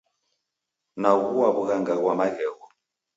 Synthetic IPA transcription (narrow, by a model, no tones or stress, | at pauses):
naɣuwaβuɣaŋɡaɣwamaɣɛɣɔ